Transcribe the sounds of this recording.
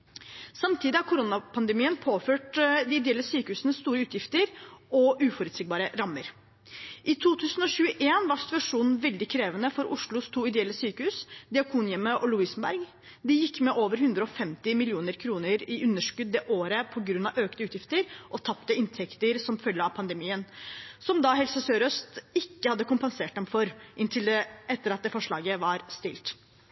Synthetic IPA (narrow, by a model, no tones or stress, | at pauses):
sɑmt̪ʰiːd̪ɪhɑɾkʰʊɾʊnɑpʰɑnd̪ɛmiːənpʰoːføːʈd̪ɪɪd̪ɛɛlːəsyːkəhʉːsənəsst̪uːɾəʉːt̪ʰjɪft̪əɾɔʔʉːfɔɾʉd̪sɪɡ̚bɑːɾəɾɑmːəɾ | ʔɪt̪ʰuːt̪ʰʉːsən̩ɔɕʉːəʔeːnʋɑʂsɪ̥t̪ʉɑʂuːnn̩ʋɛld̪ɪkʰɾeːʋənəfɔɾʔʊʂlʊst̪ʰuːɪd̪ɛɛlːəsyːkəhʉːsd̪ɪɑkʰuːnjɛməʔɔlʊiːsnbæ̰ɾɡ | d̪ɪjɪkːmɛʔoːʋəɾhʉnd̪ɾəɔfɛmt̪ɪmɪlɪuːnəɾkʰɾuːnəɾɪʔʉnːəʂkʉd̪̚ːeːʔoːɾəpʰɔɡɾʉnːɑʋøːknəʉːt̪jɪft̪əɾʔɔt̪ʰɑpt̪əɪnt̪ʰɛkt̪əɾsɔmfœljəɑʋpʰɑnd̪əmiːənsɔmd̪ɑɦɛlsəsøːɾœst̪ɪkːəhɑd̪ːəkʊmpɛnseːʈ̚d̪ɛmfɔɾʔɪnt̪ʰɪld̪ɛɛt̪ːəɾɑt̪̚d̪ɛfɔʂɭɑ̰ːɡəʋɑɾst̪ɪ̰lt̪